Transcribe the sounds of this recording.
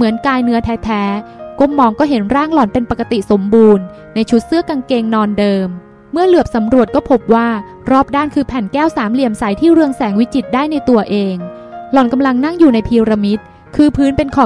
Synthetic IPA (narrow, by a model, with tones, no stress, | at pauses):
mɯ˩˦ənkaː˧jnɯ˦˥ɐt̪ʰɛː˦˥t̪ʰɛː˦˥ko˧˥mːɔː˧ŋkɔː˥˩ɦe˩˦nɾaː˥˩ŋlɔ˩npe˧npa˨˩kːa˧t̪i˨˩so˩˦mbuː˧nː | a˧jt͡ɕʰu˦˥t̪̚sɯ˦˥˩ɐka˧ŋkeː˧ŋnɔː˧ndɤː˧mː | ɯ˥˩ɐlɯ˨˩əp̚sa˩˦mɾu˨˩ət̪̚kɔː˥˩pʰo˦˥p̚waː˥˩ | ɾɔː˥˩p̚daː˥˩nkʰɯː˧pʰɛ˨˩nkɛː˥˩wsaː˩˦mli˨˩əmsa˩˦jt̪ʰiː˥˩ɾɯ˧əŋsɛː˩˦ŋwi˦˥t͡ɕi˨˩t̪̚daː˥˩jna˧jt̪u˧ɐʔeː˧ŋ | lɔ˨˦nka˧mla˧ŋna˥˩ŋjuː˨˩na˧jpʰiː˧ɾa˧mi˦˥t̪̚ | kʰɯː˧pʰɯː˦˥npe˧nkʰɔː˨˩